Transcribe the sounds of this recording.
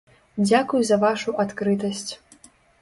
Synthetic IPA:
d͡zʲakujuzɐvaʂuʔat̪kɾɨt̪ɐsʲt͡sʲ

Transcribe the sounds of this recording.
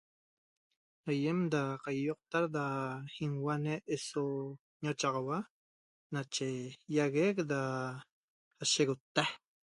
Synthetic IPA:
hajemd̪aqajːoq̚t̪aɾd̪ahiŋwaneʔeso | ɲot͡ʃɑʁɑwa | nat͡ʃejaɣek̚d̪a | aʃeɣot̪ːah

